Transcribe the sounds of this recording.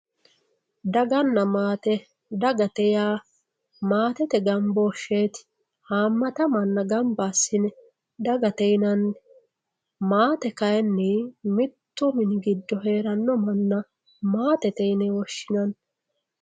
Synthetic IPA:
d̪ɐɡɐnːɐmaːt̪ɛ | d̪ɐɡɐt̪ɛjaː | maːt̪ɛt̪ɛɡɐmbɔːʃːeːt̪ɪ̥ | haːmːɐt̪ɐmɐnːɐɡɐmbaːsːɪnɛ | d̪ɐɡɐt̪ɛjnɐnː | maːt̪ɛkɐjɛnːɛmɪt̪ːʊmɪnɡɪd̪ːɔɦe̞ːɾɐnːɔmɐnːɐ | maːt̪ɛt̪ɛjnɛwɔʃːɪnɐn

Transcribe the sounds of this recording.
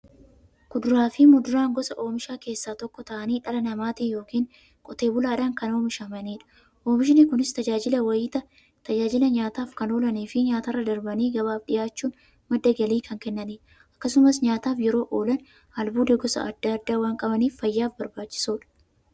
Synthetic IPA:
ɡ̥ʊd̪ʊɾaːfɪmʊd̪ʊɾaːŋɡɔsɐʔo̞ːmɪʃaːke̞ːsːaːt̪ɔkːɔt̪ɐʔɐniːᶑɐlɐnɐmaːt̪ɪjo̞ːkiːŋ | kʼɔt̪e̞ːbʊlaːᶑɐŋkɐno̞ːmɪʃɐmɐniːᶑɐ̥ | ʔo̞ːmɪʃ̬ɪnɪkʊnɪst̪ɐd͡ʒaːd͡ʒɪlɐwɐiːt̪ɐ | t̪ɐd͡ʒaːd͡ʒɪlɐɲaːt̪aːfkɐno̞ːlɐniːfɪɲaːt̪ɐrːɐd̪ɐɾbɐniːɡɐβaːfᶑɪjaːt͡ʃːuːn | mɐd̪ːɐɡɐliːkʰɐŋkɛnːɐniː | ʔɐkːɐsʊmɐsɲaːt̪aːfjɛɾo̞ːʔoːlɐn | hɐlbuːd̪eɡɔsɐ̰ɐd̪ːaɐd̪ːaːwaːŋkʼɐbɐniːfːɐjːaːfbɐɾbaːt͡ʃːɪ̥suːᶑɐ̥

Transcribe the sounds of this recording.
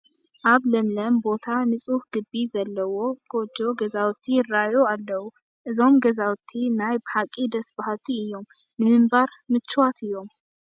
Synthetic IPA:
ʔaβləmləmbo̞t̪ʰanɨsʼuhɡ̥ɨbːizɐlːəwoɡod͡ʒːo̞ɡəzawt̪ʰːijɪrːajoalːəhu | ʔɨzomɡəzawt̪ʰːinajbhakʼid̪əsbaɦat̪ʰːiɪjːommɨnɨmbaɾmɨt͡ʃːwat̪ɪjom

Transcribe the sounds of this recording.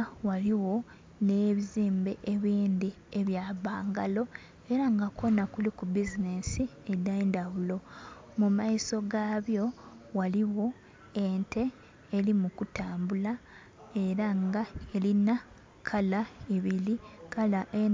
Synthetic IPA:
waliwo̞ | neːβiziːmbe̞ʔeβiːnd̪i | eβjaβaːŋɡa̰lo̞ | e̞ɾaŋɡakʰo̞nakulikubizine̞si | edaendaβulo̞ | mumaiso̞ɡaːβjo̞waliwo̞ | ente̞ː | limukutaːmbula | e̞ɾaŋɡaelina | kʰalaeβilikalaʔe

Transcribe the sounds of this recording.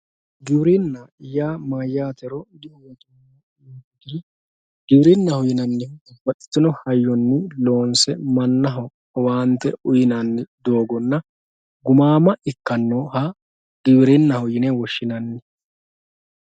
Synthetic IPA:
ɡɪwɾɪnːɐjaːmaːjːaːt̪ɛɾɔd̪ɪʔɔwɔt̪ʊm | iːd̪iː | ɡ̥ɪwɾɪnːɐhʊjɪnɐnːɪʊbɐt̪ʼːɪ̥t̪ːɪnɔhɐjːɔnːɪlo̞ːnsɛmɐnːɐɦɔ | waːnt̪ːɛʊjɪnɐnːɪd̪o̞ːɡɔnːɐ | ɡʊmaːmɐʔɪkːɐnːoːhɐ | ɡ̥ɪwɾɪnːɐhʊjɪnɛwɔʃːɪnɐnːɪ

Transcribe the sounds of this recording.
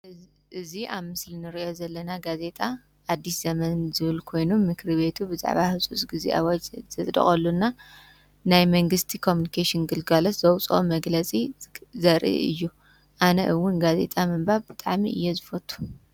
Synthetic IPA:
ʔɨziʔaβmɨslinɨɾiʔo̞zɐlːɐnaɡaze̞t̪ʼa | ʔːd̪ːisz̥ɐmɐnzɨβɨlkʰo̞jnumːɨkʰɾβe̞t̪ʰubɨza̰ʕβahɨsʼut͡sʼɡɨzḭʔa̰wad͡ʒzɐt̪ʼd̪ɐ̰χʼɐlːunːa | najmɐŋɡɨst̪ʰikʰomjunikʰeʃinɡɨlɡalot̪zɐwt͡sʼo̰mɐɡlɐt͡sʼizɐɾʔḭʔɨ̰jːu | ʔanɐ̰ʔɨwːʊnɡaze̞̰t̪ʼamɨmbaβbɨt̪ʼaʕmḭʔɨ̰jːezɨfɐt̪ʰʼːu̥

